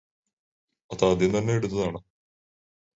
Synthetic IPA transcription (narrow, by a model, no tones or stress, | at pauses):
ɐt̪aːd̪jɐnt̪ɐnːeeɽut̪ːɐðaːɳɨ